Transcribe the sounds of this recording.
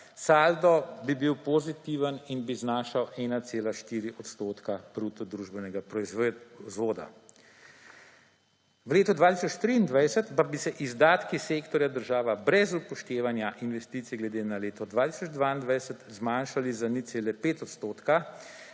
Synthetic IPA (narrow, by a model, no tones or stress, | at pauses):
sald̪ɔbibiwpɔzit̪iːʋəninbiznaːʃawɛːnat̪seːlaʃt̪iːɾiʔɔt̪st̪oːt̪kapɾuːt̪ɔd̪ɾuːʒbɛnɛɡapɾɔizzʋoːd̪a̰ | ʋleːt̪ɔd̪ʋaːt̪isɔt͡ʃt̪ɾiːnd̪ʋajsət̪pabisɛʔizd̪aːt̪kiseːkt̪ɔɾjad̪əɾʒaːʋabɾɛzupɔʃt̪eːʋanjaʔinʋɛst̪iːt̪siɡlɛd̪eːnaleːt̪ɔd̪ʋaːt̪i̥sɔd͡ʒd̪ʋaːind̪ʋajsət̪zmaːnʃalizanit̪seːlɛpeːt̪ɔt̪st̪oːt̪ka